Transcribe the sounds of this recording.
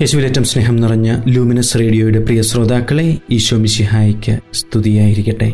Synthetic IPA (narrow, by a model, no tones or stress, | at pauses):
jeɕuʋiletːɐmsneːɦɐmnirɐɲːɨluːminɐsre̞ːɽijo̞ːjuɽe̞prijɐsro̞ːd̪aːkːɐɭe̞iːɕwɐmiɕiɦaːjikʲːɨst̪ʰuðijaːjiɾikʲːɐʈːe̞̰